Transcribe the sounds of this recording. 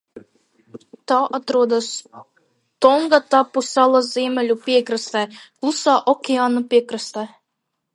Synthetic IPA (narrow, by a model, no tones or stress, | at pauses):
t̪ɑːʔat̪ɾuɔd̪as | t̪ɔŋɡat̪apːusʲalˠazʲiɛmʲɛlʲupʲiɛkɾɨst̪ɛːklˠusaːʔɔkʲeaːnapʲiɛkɾɨst̪ɛː